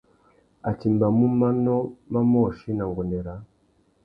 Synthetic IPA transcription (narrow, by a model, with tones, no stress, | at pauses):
a˨ti˨mba˨mu˦ma˦no˦ma˦mo˦˨ʃi˦na˨ŋɡo˨nde˨ɾa˨˦